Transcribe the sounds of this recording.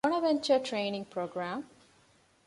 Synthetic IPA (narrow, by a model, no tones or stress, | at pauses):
ɔ̃ñəʋɛ̃nt͡ʃəʈʰɾẽːnɪ̃ŋɡpʰɾoːɡɾãːm